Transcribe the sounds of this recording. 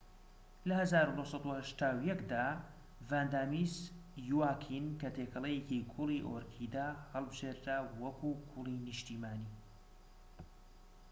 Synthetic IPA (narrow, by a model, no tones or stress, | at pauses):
lɐhɐzaːɾud̪ohsˤɑd̪uhɐʃt̪aːwjɛkd̪aː | vand̪aːmisjuwaːkʰinkɐt̪ʰekʰɐlˠɐjecikʰuliʔoɾkʰid̪aːhɐlˠbɨʒeːɾɾaːwɐkʰukʰulinɨʃt̪iːmaːniː